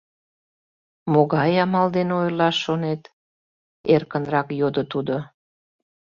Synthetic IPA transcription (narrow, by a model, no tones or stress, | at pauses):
moɣɑjɑmɑld̪enojlɑʃonet̪ | erkənrɑkjod̪ot̪ud̪o